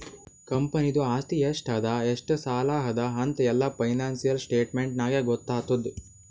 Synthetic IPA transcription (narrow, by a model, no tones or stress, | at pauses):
kɐmpɐnid̪uaːst̪iesʈʰɐd̪ɐeʂʈɨsaːlaːɦɐd̪ɐɦɐnt̪ɛlːɐpɐjnaːnsijɐlsʈeːʈmeɳʈnaːɡeɡɔt̪ːaːt̪ud̪